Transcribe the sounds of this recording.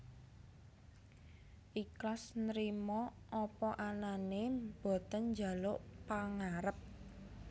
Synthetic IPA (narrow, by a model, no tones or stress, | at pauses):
ʔiklasnɾimɔ | ʔɔpɔʔananeb̥o̤t̪ənɲd͡ʒa̤loʔpaŋaɾəp̚